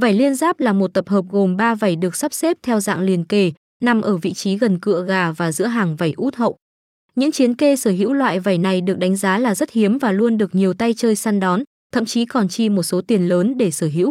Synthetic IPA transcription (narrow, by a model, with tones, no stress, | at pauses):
va˧˩jli˧ənzaː˦˥p̚laː˨˩mo˨˩t̚t̪ə˨˩p̚həː˨˩p̚ɣo˨˩mɓaː˧va˧˩jɗɨ˨˩ək̚sa˦˥p̚se˦˥p̚t̪ʰɛ˧wza̰ː˧˨ŋli˨˩ənke˧˩ | na˨˧˩mʔəː˧˩vḭ˧˨t͡ɕi˨˦ɣə˨˩nkɨ̰˧˨əɣaː˨˩vaː˨˩zɨ̰˧˥əɦaː˨˩ŋva˧˩jʔu˦˥t̚hə̰˧˨wʔ | ɲɨ̰˧˥ŋt͡ɕi˨˦ənke˧səː˧˩ɦḭ˧˥wlwa̰ː˧˨jva˧˩jna˨˩jɗɨ˨˩ək̚ɗa˨˦jŋ̟zaː˨˦laː˨˩zə˦˥t̚hi˨˦əmvaː˨˩lu˧ənɗɨ˨˩ək̚ɲi˨˩əwt̪a˧jt͡ɕəː˧jsaː˧nɗɔ˨˦n | t̪ʰə̰˧˨mt͡ɕi˨˦kɔ˨˩nt͡ɕi˧mo˨˩t̚so˨˦t̪i˨˩ənləː˨˦nɗe˧˩səː˧˩ɦḭ˧˥w